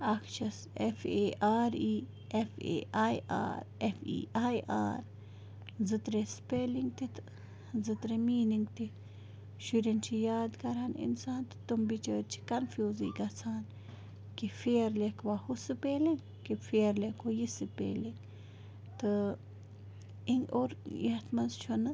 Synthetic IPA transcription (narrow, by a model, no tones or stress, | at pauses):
ɐkʰt͡ʃʰɐs | efʰeːʔaːɾiː | efḛːʔaːja̰ːɾefḭːʔaːjʔa̰ːɾ | zɨt̪ɾespeːliŋɡ̚t̪it̪ | zɨt̪ɾemiːniŋɡt̪i | ʃuɾint͡ʃʰijaːd̪kɐɾanḭnsaːnt̪ɨ̥t̪umbit͡ʃəːɾt͡ʃʰi̥kɐnfʰjuːzḭːkɐt͡sʰaːn | kifeːɐɾlekʰʋahusɨpeːliŋɡ | kifʰeːɾlekʰojisɨpḛːliŋɡ | t̪ɨ | iŋɡoːɾjiɐt̪ʰmɐnzt͡ʃʰunɨ